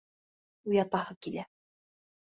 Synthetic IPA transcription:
ujɑt̪ɑhɤkilæ

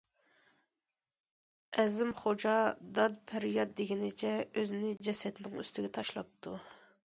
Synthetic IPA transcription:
ɛzɪmχod͡ʒɑd̪ɑd̪pʰæɾjɑt̪̚d̪eɡʲinɪt͡ʃʰɛøzɪnɪd͡ʒɛsɛt̪ɪnɪŋy̰st̪ɪɡʲɛt̪ʰɑʃlˠɑp̚t̪ʰu

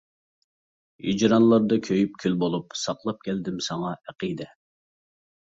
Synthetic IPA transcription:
id͡ʒɾɑnlˠɑɾd̪ɑkʲʰøjyp̚kʲʰylbolˠupsɑqlˠɑp̚kʲʰɛld̪ɪmsɑŋɑæqid̪ɛ

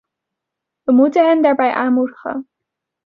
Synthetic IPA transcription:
ʋəmutənɦɛndaːɹbɛjʔaːnmudəχə̰n

